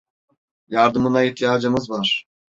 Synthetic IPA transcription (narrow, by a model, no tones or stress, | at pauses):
jɑɾd̪ɯmɯnɑiht̪ʰijaːd͡ʒɯmɯzvaɾ̥